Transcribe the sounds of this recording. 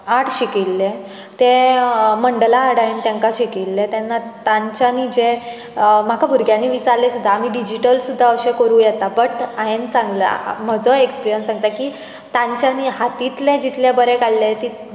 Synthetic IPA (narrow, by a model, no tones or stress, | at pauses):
aʈʰɕikilːe | t̪ẽməɳɖəlaɦaɽaɦent̪jãŋkaɕikilːet̪janːat̪aɲt͡ɕaniːd͡ʑe | m̤akʰabʱuɾɡjanːiʋit͡saɾlesud̪ʱːaːmiːɖid͡ʑiʈəlsud̪ʱːaəɕẽkəɾũːjɛt̪abəʈaɦent͡sãŋɡlə̰m̤əd͡zəekspiɾijənsãŋɡ̚t̪akiː | t̪ãɲt͡ɕjaniɦat̪it̪lẽd͡ʑit̪labəɾekaɽlet̪i